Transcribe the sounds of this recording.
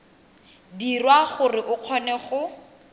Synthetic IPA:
dirwaχʊrɪʔʊq͡χʰɔnɛχʊ

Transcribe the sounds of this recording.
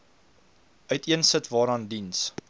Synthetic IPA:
ʔœɥtiənsətvɑːɾɑːndins

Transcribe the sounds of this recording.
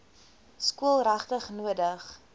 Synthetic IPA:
skuəlˠrɐχtəχnuədəχ

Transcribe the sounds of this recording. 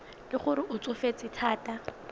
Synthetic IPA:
lɪχʊɾɪʔʊt͡sʼʊfet͡sʼɪtʰaːtʼa

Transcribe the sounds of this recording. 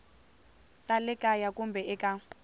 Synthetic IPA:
tʼalɛkʼajakʼumbʱɛɛkʼa

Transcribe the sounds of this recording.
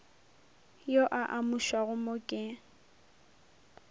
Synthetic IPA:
joʔaʔamuʃwaɣʊmʊkʼɪ

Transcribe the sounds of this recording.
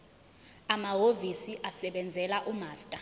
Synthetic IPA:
amaɦovisiʔasɛɓɛnd͡zʱɛlaʔumaːstʼa

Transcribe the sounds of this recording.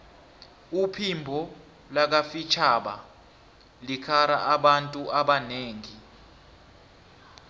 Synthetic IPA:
upʰimbʱɔ | lak̬afit͡ʃʰaɓa | likʰaɾa̰ʔaɓantʼuʔaɓaneːŋi

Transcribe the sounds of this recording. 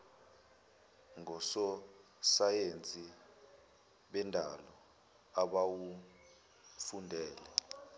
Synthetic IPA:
ŋɔsɔ | sajent͡sʼi | ɓɛndʱa̰lɔ | aɓawu | fundʱɛːlɛ

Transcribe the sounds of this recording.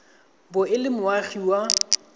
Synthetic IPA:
bʊɪlɪmʊwaχiwa

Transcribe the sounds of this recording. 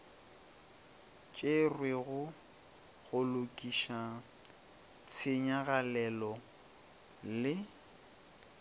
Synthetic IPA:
t͡ʃʼerwɪɣʊ | ɣʊlʊkʼiʃa | t͡sʰɪɲaɣalɛlɔ | lɪ

